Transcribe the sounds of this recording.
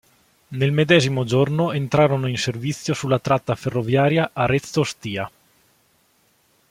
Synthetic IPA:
nelmed̪ɛːzimod͡ʒornoent̪ɾaːɾonoinservit̪sːjosulːat̪ɾat̪ːaferːovjaːɾjaʔaɾet̪sːost̪iːa

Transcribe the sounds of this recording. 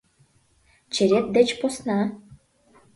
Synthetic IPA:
t͡ɕĕɾʲet̪̚d̪ĕt͡ɕposnɑ

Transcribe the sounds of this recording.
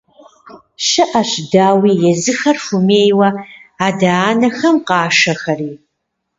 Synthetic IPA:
ʃɨʔɐɕdaːwiːjɛzɨxɐrfumeːjwɐaːdaːnɐxɐmqɑːʃɐxɐriː

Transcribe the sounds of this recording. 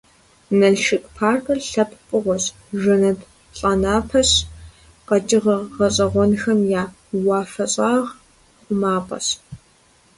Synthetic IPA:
nɐɮʃɨkʼpʰaːrkʼɐrɬɐpʰpʼɨʁʷɔɕ | ʒɐnɐd | ɬʼɐnaːpʰɐɕ | qɐt͡ʃʼɪʁɐʁɐɕʼɐʁʷɔnxɐmjaː | wɑːfɐɕʼaːʁ | χʷʊmaːpʼɐ̰s

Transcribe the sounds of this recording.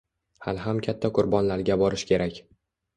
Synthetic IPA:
ha̰lɦamkʲʰat̪ʰːaqʰʊɾbɒnlaɾɡʲabɒɾɪʃkʲe̞ɾakʲ

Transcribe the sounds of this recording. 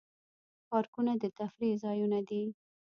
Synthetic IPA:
pɑɾkunad̪ət̪afɾizɑjunad̪i

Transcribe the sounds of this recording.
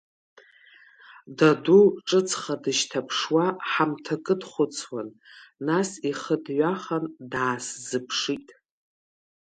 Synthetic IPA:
daduʈ͡ʂʼɨt͡sʰʼχadɨʃtʰapʰʂwaħamtʰakʼɨdχʷʊt͡sʰwanː | asiχədɥʷaχandaːszɨpʰʂitʼ

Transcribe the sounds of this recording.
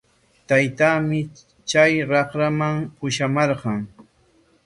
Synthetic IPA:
t̪ajt̪aːmɪ | t͡ʃajɾɑχɾamaŋʊʃamɑɾɢɑŋ

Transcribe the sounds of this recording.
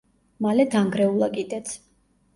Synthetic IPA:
malɛd̪aŋɡɾɛulˠakʼid̪ɛt̪ʰ

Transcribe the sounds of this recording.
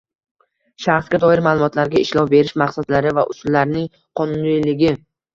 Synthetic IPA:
ʃaχsɡʲad̪ɒɪɾmaːlˠʊmɒt̪ʰlaɾɡʲaɪʃlɒwbe̞ɾɪʃmaqsad̪laɾɪvaʔʊ̰sʊlːaɾnɪŋ | qʰɒnʊnlɪlɪɡʲɪ

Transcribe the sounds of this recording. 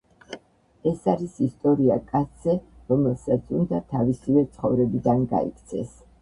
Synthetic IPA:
ɛsaɾisist̪ʼɔɾiakʼat̪sʰzɛɾɔmɛlˠsat̪sʰund̪at̪ʰavisivɛt̪sʰχɔvɾɛbid̪anɡa̰ḭkʰt̪sʰɛ̰s

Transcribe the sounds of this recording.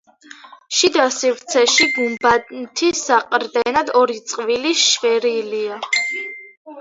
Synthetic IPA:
ʃid̪asivɾt̪sʰɛʃiɡumbant̪ʰisaqʼɾd̪ɛnad̪ɔɾit̪sʼqʼviliʃvɛɾilia

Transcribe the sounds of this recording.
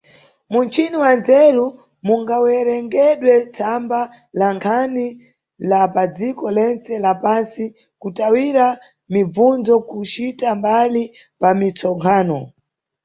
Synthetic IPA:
munt͡ʃiniwanzɛɾu | muŋɡawɛɾɛŋɡɛɗwɛt͡sʰamba | laŋkʰani | lapad͡zikɔlɛnt͡sɛlapansi | kutawiɾa | mib͡vunzɔkut͡ʃitambali | pamit͡sʰɔŋkʰaːnɔ

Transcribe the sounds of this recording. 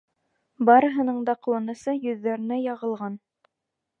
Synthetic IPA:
bɑɾɤ̆ɦɤ̆nɤɴd̪ɑqŭwɑnɤ̆sɤjɵ̆ðːæɾɘ̆næjɑʁɤ̆lˠʁɑn

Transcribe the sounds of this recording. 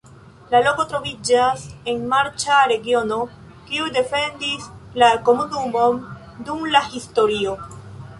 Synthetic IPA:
lalo̞ko̞t̪ɾo̞vid͡ʒase̞nmaɾt͡ʃaɾe̞ɡio̞no̞ | kiude̞fe̞ndislako̞munumo̞n | dumlahisto̞ɾio̞

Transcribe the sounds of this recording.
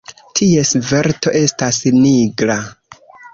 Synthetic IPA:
tʰie̞sve̞ɾto̞ʔe̞stasniɡɾa

